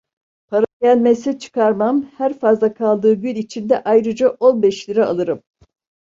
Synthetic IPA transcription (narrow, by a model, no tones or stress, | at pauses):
pʰaɾaɟælʲmesɛt͡ʃʰɯ̥kʰaɾmamhæɾfazlˠakʰalˠd̪ɯːɟylʲit͡ʃʰind̪ɛʔajɾɯd͡ʒaʔo̞nbɛʃlʲiɾɛa̰lˠɯɾɯm